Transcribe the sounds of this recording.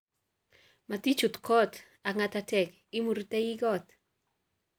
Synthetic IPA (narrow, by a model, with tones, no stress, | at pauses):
ma˨t̪i˦t͡ʃu˨tkʰɔ˦t | a˨ŋatatɛk | i˦mu˨ɾtɛ˦ji˦ɡɔ˦t̪